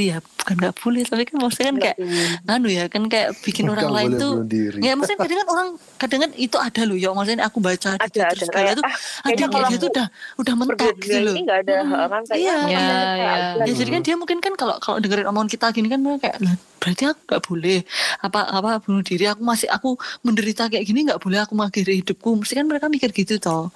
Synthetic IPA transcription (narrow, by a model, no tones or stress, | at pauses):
jab̥u̥kanɡaʔb̥olɛht̪apikanmast̪ikankajaʔanujakankajaʔb̥ikɪnoɾaŋlaɪnt̪uiɾamasɪadaŋkanoɾaŋ | kadaŋkanit̪uʔad̥alʊjamasniakubat͡ʃadid̪t̪əɾʊsbaat̪uadat̪aat̪uudahudahmənt̪aɡɡit̪ulʊdaŋijajajajad͡ʒadikandiamuŋkɪnkankalo̰ʔkalo̰ʔdəŋəɾɪnomnkit̪aɡinikanməɾekakaja̰ʔla | b̥əɾat̪iakuŋɡaʔb̥olɛhapaʔapab̥unʊhdiɾiakumasɪ̰ʔa̰kuməndəɾit̪akajaʔɡ̥iniŋɡaʔb̥olɛhakuməŋaɡiɾihidʊp̚kuməst̪ikanməɾekamikɪrɡ̥it̪ut̪ɔh